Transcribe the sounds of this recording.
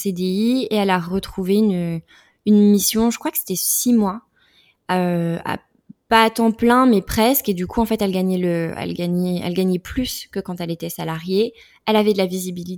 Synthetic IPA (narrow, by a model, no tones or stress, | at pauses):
sed̪eieɛlaʁət̪χuveyn | ynmisjɔ̃ʒəkχwakə̥se̥t̪ɛsimwa | øa̰ | paːt̪ɑ̃plɛ̃mɛpχɛsked̪ykʰuɑ̃fɛt̪ɛlɡaɲɛləɛ̰lɡaɲɛɛ̰lɡaɲɛplyskəkɑ̃t̪ɛlet̪ɛsalaʁje | ɛlavɛd̪əlavizibilit̪